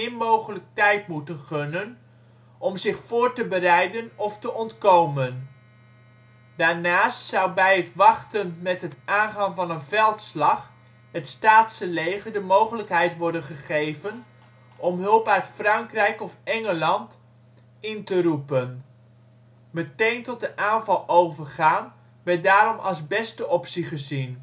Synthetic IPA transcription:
ɪmowχələk̚tɛjtmutənχɵnən | ʔɔmzɪχfʊːɹtəbərɛjdənɔftəʔɔntkowmən | d̥aːɹnaːstsʌwbɛjɦətʋɑχtənmɛtɦətaːnχɑŋvɑnənvɛlˠtslɑχ | ɦətstaːtsəlejχəɹdəmowχələkɦɛjtʋɔɹdənχəχejvən | ʔɔmɦɵlˠpœɥtfrɑŋkrɛjkɔfɛŋəlɑnt | ɪntəɾupən | mətejntɔt̚dəʔaːnvɑlˠowvəɹχaːn | ʋɛdaːɾɔmʔɑ̰lˠzbɛstəʔɔpsiχəzin

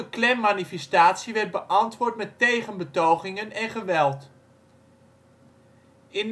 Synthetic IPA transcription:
əklɛmːaːnifɛstaːtsiʋɛrd̚bəʔɑntʋʊːɹtmɛtejχənbətowχɪŋənɛnχəʋɛlˠt | ɪn

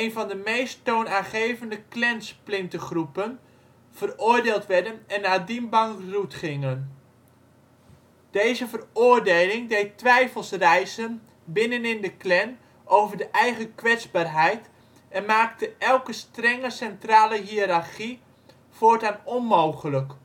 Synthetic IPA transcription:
ejnvɑndəmejsttownaːnχejvəndəklɛnsplɪntəχrupən | v̥ərʊːɹdeːlˠtʋɛɹdənɛnːaːdimbɑŋrutχɪŋən | d̥ejzəvərʊːɹdejlɪŋdejtʋɛjfəlˠsrɛjzən | bɪnənɪndəklɛn | ʔowvəɹdəʔɛjχəkʋɛtzbaːrɦɛjt | ɛnmaːktəʔɛlˠkəstrɛŋəsɛntraːləɦiɾaχi | foːɹtaːnɔnmowχələk

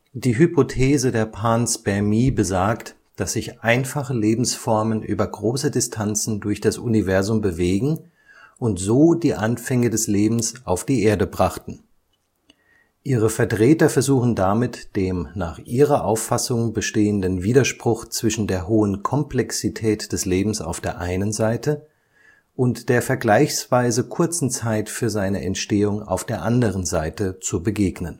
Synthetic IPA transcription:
d̥iːɦypotʰeːzədeːɐpʰaːnsb̥ɛɐmiːbəzaːkt | d̥asz̥ɪçʔaɪnfaχəleːbm̩sfɔɐmənʔyːbɐɡʁoːsədɪstʰant͡sn̩dʊɐçd̥asʔunivɛɐzʊmbəveːɡŋ̩ | ʊntz̥oːdiːʔanfɛŋədɛsleːbm̩sʔaʊfd̥iːʔeːɐdəbʁaχtn̩ | ʔiːʁəfɛɐtʁ̥ɛːtɐfɛɐzuːχn̩damɪtd̥eːmnaːχʔiːʁɐʔaʊfasʊŋbəʃteːəndənviːdɐʃpʁ̥ʊχt͡sv̥ɪʃn̩deːɐɦoːənkʰɔmplɛksitʰɛːtd̥ɛsleːbm̩sa̰ʊfd̥eːɐʔaɪnənzaɪtə | ʔʊntd̥eːɐfɛɐɡlaɪçsv̥aɪzəkʰʊɐt͡sn̩t͡saɪtfyːɐzaɪnəʔɛ̰ntʃteːʊŋa̰ʊfd̥eːɐʔandəʁ̞ənzaɪtət͡subəɡeːɡnən

